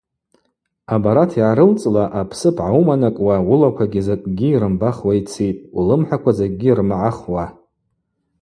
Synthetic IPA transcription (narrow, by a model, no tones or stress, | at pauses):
abaɾatʰiʕaɾɨlt͡sʼlaʔapʰsɨbʕaumanakʼwawʊlakʷʰaɡʲizakʼɡʲiːɾɨmbaχwait͡sʰijtʼulɨmħʷakʷazak̚ʼɡʲirmʕaχwa